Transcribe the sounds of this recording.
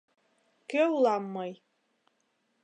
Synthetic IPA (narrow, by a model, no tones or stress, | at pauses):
kɘulˠɑmːɤj